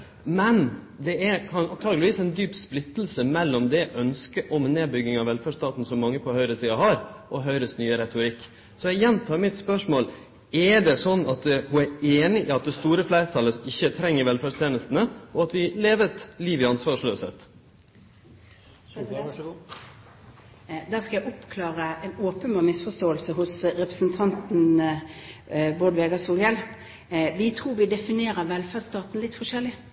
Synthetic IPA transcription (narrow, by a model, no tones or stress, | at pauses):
mɛn | d̪ɛækʰɑnɑnt̪ʰɑːɡlɪʋiːsɛɪnd̪yːpsplɪt̪ːl̩səmɛlːɔmd̪ɛʔœnskəʔɔmneːbʏɡɪŋɑʋɛlfæːɖʂst̪ɑːt̪n̩sɔmːɑŋːəpʰɔhœʏɾəsiːɑɦɑɾʔɔɦœʏɾəsnyːəɾɛt̪ʊɾɪkː | sɔɛɡjɛnt̪ʰɑːɾmɪt̪spœʂmoːl | ɛɖɛsɔnːɑt̪hʉæɾeːnɪʔɪːɑt̪̚d̪ɛst̪uːɾəflæɪɾət̪ʰɑlːəʔɪçːət̪ʰɾɛŋːəɾʋɛlfæːʂt̪ʰeːnəst̪nəʔɔɑt̪ʋɪleːʋət̪liːʋɪɑnsʋɑːʂløːsḛːt̪ | d̪æːʁskɑjæɪʔʊpkʰlɑːɾəɛnoːpənbɑːʁmɪsfɔst̪oːəlsəhʊsɾɛpəsənt̪ʰɑnt̪n̩ | boːɖ̪ʋeːɡɑsuːlɡɛl | ʋɪt̪ʰʁuːɾʋɪd̪ɛfɪneːɾəɾʋɛlfæːɖst̪ɑːt̪n̩lɪt̪fɔʂɛlːɪ